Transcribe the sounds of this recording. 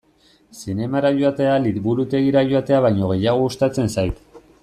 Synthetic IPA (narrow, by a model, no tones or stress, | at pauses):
sine̞maɾaʝoat̪e̞aliβuɾut̪e̞ɣ̞iɾaʝoat̪e̞aβajɲo̞ɣ̞e̞jaɣ̞o̞ust̪at͡se̞nsajt̪